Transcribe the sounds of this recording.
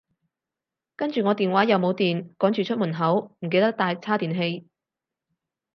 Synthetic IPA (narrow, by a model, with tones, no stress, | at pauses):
kɐ˥nt͡ʃyː˨ŋɔː˨˧t̪iː˨nwaː˨˥jɐ˨˧wmo˨˧wt̪iː˨nkɔː˨˥ŋt͡ʃyː˨t͡ʃʰɵ˥t̚muː˨˩nɦɐ˨˥wm̩˨˩k̬e˧jt̪ɐ˥k̚t̪aː˧jt͡sʰaː˥t̪iː˨nɦe˧j